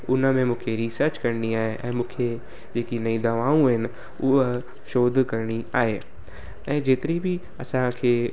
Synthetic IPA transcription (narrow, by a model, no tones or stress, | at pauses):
ʊnamẽmʊkʰeɾisəɾt͡ʃkɐɾniaːeʔɛ̃mʊ̃kʰe | d͡ʒeːkinɐĩd̪ɐʋaːũɦɛn | ʊ | ʃoːd̪ʱkəɾniaːeː | ɛ̃d͡ʒet̪ɾibʱi | ɐsãkʰe